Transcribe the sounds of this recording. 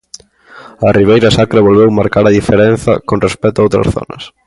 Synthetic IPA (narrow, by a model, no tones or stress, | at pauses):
ɐriβ̞ejɾɐsakɾaβolβewmaɾkaɾɐðifeɾenθɐ̰konrespɛt̪ʊaowt̪ɾɐ̰sθɔ̰nɐ̰s